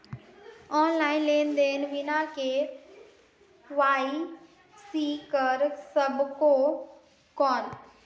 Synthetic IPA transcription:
ɔːnlaːinleːnd̪eːnʋɪnakeː | ʋaːi | siːkəɾsəbʱko | kɔːn

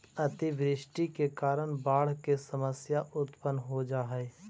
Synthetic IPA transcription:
ɐt̪ɪʋɾɪʃʈikekaːɾəɽ̃baːɽ̤kesəməsjaʔʊt̪pənɦod͡ʒaːɦɛː

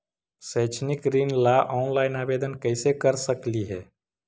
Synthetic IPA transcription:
sət͡ʃʰnikɾinlaʔɔnlaɪnabed̪ənkəɪsekəɾsəkliɦɛː

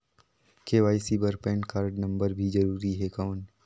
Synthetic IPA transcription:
keːʋaːisiːbəɾpɛ̃ːɳʈkaːɾɖnɐ̃mbəɾbʱid͡ʒɐɾuːɾiɦekaːn

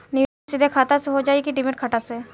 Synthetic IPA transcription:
nɪʋ | sid̪ʱekʰaːt̪aseɦod͡ʒaːekiɖɪmɪʈ̚kʰɐʈase

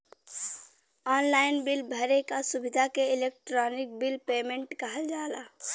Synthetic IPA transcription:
ɔnlaɪnbilbʱəɾekasubid̪ʱakeilek̚ʈɾɔnik̚bilpemẽɳʈkəɦəld͡ʒala

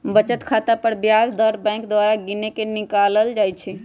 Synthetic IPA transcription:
bət͡ʃət̪kʰat̪apəɾbjasd̪əɾbɛ̃ɪ̃ŋkd̪waɾaɡinekenikaləld͡ʒajt͡ʃʰɛ

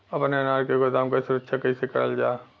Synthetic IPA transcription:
ɐpnenaːɾkeɡʊd̪aːmkasʊɾəkʃʰakɐisekɐ̰ɽə̰ld͡ʒaː

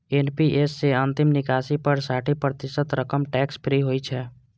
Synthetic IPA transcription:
eːnpiʔeːsːeə̃nt̪ɪmnɪkaːsipəɾsaːʈʰipɾət̪ɪsət̪ɾəkəmʈɛːkspʰɾiɦoːit͡ʃʰɛː

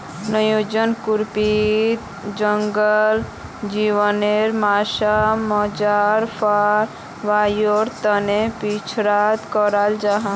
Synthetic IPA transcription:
nəjod͡ʒənkuɾpit̪ | d͡ʒəŋɡəl | d͡ʒiʋəneɾmaːʃamɔd͡ʒaɾpʰaɾ | ʋajoɾt̪ənepit͡ʃʰɾat̪kɔɾald͡ʒaɦã

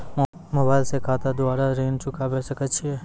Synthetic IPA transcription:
moːbaːɪlsekʰaːt̪ad̪ʊaːɾaɾeːnt͡ʃʊkʰabɛsəkɐtːt͡ʃʰiɦɛː

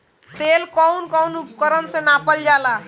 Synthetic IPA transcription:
t̪elkɔʊnkɔwnupkəɾənsẽnapəld͡ʒala

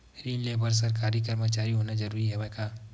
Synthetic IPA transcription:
ɾiːnlebəɾs̬əɾkaːɾikəɾmət͡ʃaːɾiɦoːnad͡ʒəɾuɾiɦɛbɛka

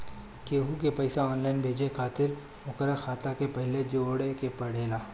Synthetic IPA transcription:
keːɦukepɐɪsaɔːnlaːɪnbʱeːd͡ʒekʰaːt̪ɪɾ | ʊkəɾaxaːt̪akepɐɦled͡ʒoːɽekepɐɽ̤eːlaː

